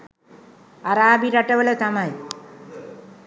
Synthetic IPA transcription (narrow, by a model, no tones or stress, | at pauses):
ɐɾaːbiɾɐʈːɐʋɐlet̪ɐmaj